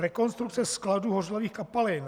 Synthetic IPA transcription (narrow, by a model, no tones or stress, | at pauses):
ɾɛkonst̪ɾukt͡sɛskladuːɦorloviːxkapalɪn